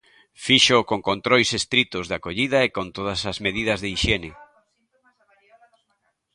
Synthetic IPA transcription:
fiʃokoŋkont̪ɾojsest̪ɾit̪ʊzðakoʎiðɐekont̪oðɐsɐzmeðiðɐzðeiʃenɪ

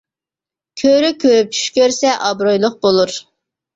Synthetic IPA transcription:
kʲʰøɾykʲʰøɾyp̚t͡ʃʰy̥ʃkʲøɾsɛʔɑbɾojlˠʊq̚b̥olˠuɾ

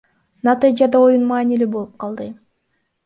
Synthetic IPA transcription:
nat̪ɨd͡ʒad̪ao̞junmɑːnilʲibo̞lˠup̚qʰɑlˠd̪ɯ

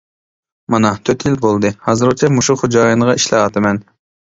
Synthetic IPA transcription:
mɑnɑt̪ʰøt̪ʰjilbolˠd̪ɨhɑːzɨɾot͡ʃʰɛmuʃuχod͡ʒɑːjɑnəʁɑʔiʃlɑɑt̪ʰɨmɛn

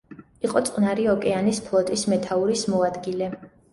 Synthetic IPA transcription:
iqʼɔt̪sʼqʼnaɾiɔkʼɛanispʰlˠɔt̪ʼismɛt̪ʰauɾismɔad̪ɡilɛ

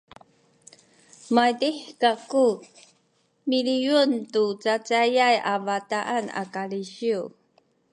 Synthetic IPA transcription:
majdiħkaku | milijuntut͡sat͡sajajavataʔana̰kaliɕiu

